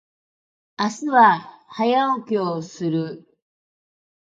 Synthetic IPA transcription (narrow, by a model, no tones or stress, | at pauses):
asɨβahajaokʲeosɨɾɯ̟